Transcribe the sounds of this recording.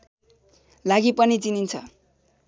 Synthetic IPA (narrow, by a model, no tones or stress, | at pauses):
laɡipʌnit͡sinint͡sʰʌ̰